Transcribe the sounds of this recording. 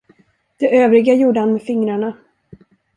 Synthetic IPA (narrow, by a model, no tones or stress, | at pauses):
d̪̥ɛʔøːvɾɪɡajuːɖəhanmɛfɪŋɾaɳa